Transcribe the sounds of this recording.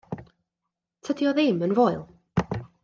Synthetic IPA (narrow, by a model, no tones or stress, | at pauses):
tʰədjɔðɪmənvɔɨlˠ